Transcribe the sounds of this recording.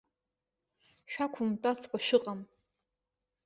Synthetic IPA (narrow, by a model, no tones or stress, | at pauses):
ʃᶣakʷʰumtʼat͡sʰkʷʼaʃɨqʼam